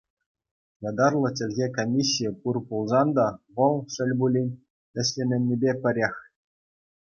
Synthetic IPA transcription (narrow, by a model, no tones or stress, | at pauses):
jɑd̪ɑrlˠɤ̆t̬ʲɘ̆lʲɣʲekomʲisʲːijɘpurpulˠzɑnd̪ɑʋɤ̆lˠʂɘ̆lʲbulʲinʲ | ɘ̆ɕʲlʲemʲɘ̆nʲːibʲepʲɘ̆ɾʲexʲ